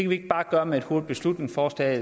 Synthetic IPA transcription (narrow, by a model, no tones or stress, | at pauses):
ekʰæʋie̝ɡ̥b̥ɑ̈ːɡ̥ɶːɐmee̝d̥ho̝ɐd̥ˠb̥e̝slud̥ne̝ŋfɒːsd̥ɛ̰ː